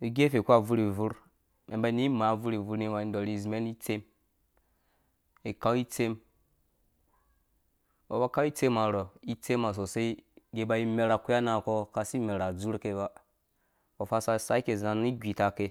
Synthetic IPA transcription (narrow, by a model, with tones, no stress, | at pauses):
i˨ɡe˦fe˨ku˦a˦˨vu˦ɾi˨vu˦ɾ | me˨mba˦˨ni˦ma˨˦˨vu˦ɾi˨vu˦ɾni˦ma˨i˦n˦do˨ɾi˨zme˦ni˦t͡se˦m | i˨ka˦wi˦t͡se˦m | o˨ba˦ka˦i˦t͡se˦ma˨ɾo˨i˦t͡se˦ma˨s̬o˨se˦ɡe˨˦ba˨ji˦me˨ɾa˨ku˦a˦na˨ko˦ka˦˨si˦me˨ɾa˨d͡zu˦ɾke˨ba˦ | o˨fa˦sa˦sa˦i˦ke˨za˨n˦i˦ɡʲʷi˨ta˨ke˦